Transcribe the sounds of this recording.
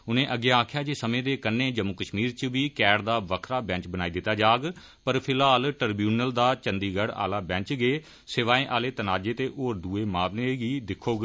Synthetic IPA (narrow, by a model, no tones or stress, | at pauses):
ʊnẽːʔəɡeːaːkʰjaːd͡ʒeːsəmẽːd̪eːkənːẽːd͡ʒəmːukəʃmiːɾt͡ʃəʋiːkɛːɽd̪aːʋəkʰɾaːbɛ̃ːt͡ʃbənaːiːd̪ɪt̪ːaːd͡ʒaːɡ | pəɾpʰɪlaːlʈəɾbjuːnəld̪aːt͡ʃənd̪iːɡəɽa̰ːlaːbɛ̃ːt͡ʃɡeː | sɪʋaːẽːʔaːleːt̪ənaːd͡ʒeːt̪eːʔoːɾd̪uːeːmaːʋleːɡiːd̪ɪkʰoːɡ